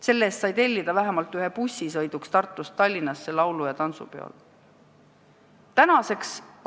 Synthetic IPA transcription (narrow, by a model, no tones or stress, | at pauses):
se̞lːe̞ːst̪sɑjt̪e̞lʲːid̪̥ɑvæɦemɑlt̪ˑyɦepusːisɤjd̪̥ukst̪ɑrt̪ˑːust̪ːɑlʲːinːɑsːe̞lɑwlujɑt̪ɑnsṵpeɑ̰l | t̪ænɑse̞ks